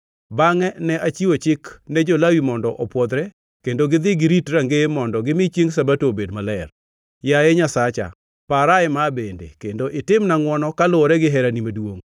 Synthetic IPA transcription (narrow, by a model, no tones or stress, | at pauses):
baŋɛnɛʔat͡ʃiot͡ʃɪknɛd͡ʒolawimɔndɔʔɔpwɔd̪ɾɛ | kendoɡɪd̪ɪɡɪɾitɾaŋɡemɔndɔɡɪmɪt͡ʃjeŋs̬abatobedmalɛr | jaɛɲasat͡ʃa̰ | paɾaɪmabendḛkendoʔɪtɪmnaŋwɔnɔkalʊɔɾɛɡɪɦɛɾanimadwoŋ